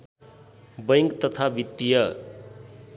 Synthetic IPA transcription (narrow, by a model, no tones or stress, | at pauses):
bʌjŋkt̪ʌt̪ʰabit̪ːijʌ